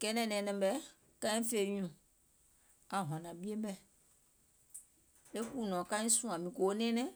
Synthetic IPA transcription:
kɛ˦nɛ̃˦˨nɛ̃˨nɛ̃˨bɛ˦ | kã˦ĩ˦fe˦˨ɲũ˨ | a˨ɦã˨nã˨bi˦e˦bɛ˦ | e˦ku˦˨nɔ̃˨kã˦ĩ˦sũ˦ã˨mĩ˨ko˨o˦nɛ̃˦nɛ̃˦

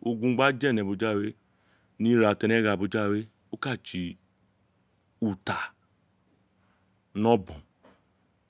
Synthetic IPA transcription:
o˦ɡũ˦ŋ͡m̩˦ɡ͡ba˦d͡ʒɛ˦˨nɛ˨bu˨d͡ʒa˦˨we˦ | ni˦ɾa˨tɛ˨ne˦ɣa˨bu˨d͡ʒa˦˨we˦ | u˦ka˦˨t͡ʃi˨ | u˨ta˨ | nɔ˦bɔ̃˨

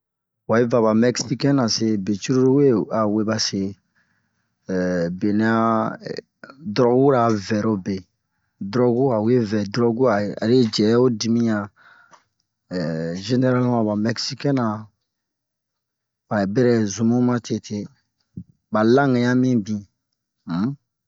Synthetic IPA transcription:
wa˨i˦va˨ba˨mɛ˦ksi˦kɛ̃˦na˨se˨be˨t͡ʃi˦ɾu˦ɾu˦we˦a˨we˦ba˨se˨ | be˨ne˦a˦ | dɾɔ˦ɡu˦ɾa˨vɛ˨ɾo˦be˨ | dɾɔ˦ɡu˦a˨u˨je˦vɛ˨dɾɔ˦ɡu˦a˨a̰˨ɾe˦d͡ʒɛ˨˦o˦di˨mĩ˦jã˨ | ʒe˦ne˦ɾa˦lmã˨ba˨mɛ˦ksi˦kɛ̃˦nã˨ | a˨bɛ˦ɾɛ˨zu˨mũ˦mã˦tʰe˦˨tʰe˨˦ | ba˨lã˦ŋɛ˨ja˦mĩ˦bĩ˨˦

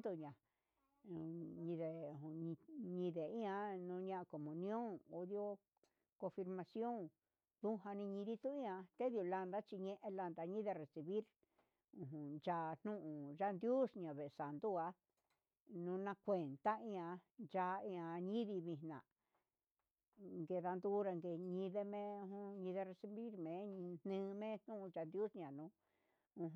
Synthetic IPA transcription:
d̪u˧ɲã˨˧ | ɲĩ˧ðẽ˨˧ɲ˧ɲĩ˧ðe˨ĩ˦ã˧nũ˧˦ɲã˧ʔa˧ko˨mũ˨nĩ˧˦õ˦ŋo˧ðjo˧ | kõ˧fi˧ɾmã˧sjo˦ŋ | ðũ˦ɦa˧nĩ˧ɲĩ˧ði˦t̪u˦ĩ˦ã˧t̪e˦ðju˧la˧nd̪a˦t͡ʃi˧ɲẽ˦ʔẽ˧la˧nd̪a˧ɲĩ˦ðe˧re˨si˧βi˦ɾ | ũ˨ɦũ˨nd͡ʒa˧n̥nũ˦ʔũ˨ʒa˦˧nd̪ju˦sɲã˨βe˨˧sa˨nd̪u˦a˧ | nũ˨˧nã˧kʷe˨nt̪a˦ĩ˧ã˧nd͡ʒa˧˦ĩ˧ã˧ɲĩ˦ði˧βĩ˧nã˨ | ŋɡe˧ða˧nd̪u˦ɾa˧ŋɡe˧˨ɲĩ˧ðe˧mẽ˦ũ˧ũ˧ɲĩ˧ðe˧re˧si˧βi˦ɾmẽ˨˧˦ɲ˧n̥nɨ̃ː˦˧mẽ˦n̥nũ˦ʔũ˧d͡ʒa˧nd̪ju˦sɲã˨nũ˧ | ũ˧ɦ

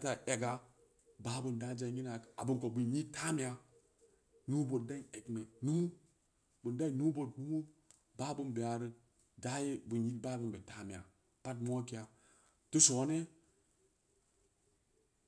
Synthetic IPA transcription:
ta˨ʔe˨ɡa˦ | ba˦bu˨nda˦d͡ʒa˨˦ɲi˦na˨ka˨bu˨nko˨bu˨nji˦ta˦mi˨ja˨ | nu˦bo˨t̚da˦e˨ɡne˨nu˦ | bu˨nda˦i˦nu˦bo˨tnu˦mu˦ | ba˦bu˦nbe˨a˨ɾə˦ | da˦je˦bu˨nji˦ba˦bu˦nbe˨ta˦mi˨ja̰˨ | pa˦t̬mo˦ki˦a˨ | tu˦so˨˦ne˦

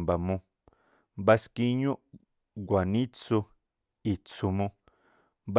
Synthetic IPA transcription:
mba˨mũ˧ | mba˧ski˧ɲũ˦ʔ | ɡʷa˨nĩ˦t͡su˧ | i˨t͡su˧mũ˧ | b

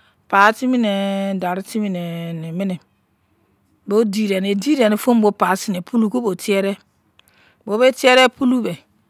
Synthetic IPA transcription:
paː˨˦ti˦mi˦ne˨da˨ɾi˦ti˦mi˦ne˨ni˨mɪ˦ne˨ | bo˦di˨ɾɛ˨ne˨di˦ɾɛ˨ne˨fo˦m˦bo˦pa˨˦si˦ne˨pʰu˦lu˦ko˦bo˨ti˦ɛ˦ɾɛ˦ | bo˨˦be˦ti˦ɛ˦ɾɛ˦pu˦lu˦be˨

